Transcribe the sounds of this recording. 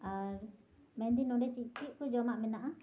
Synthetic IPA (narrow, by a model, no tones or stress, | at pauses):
aɾmɛnd̪inɔɖɛt͡ʃiʔt͡ʃiʔ̚kud͡ʒɔmaʔmɛnaʔa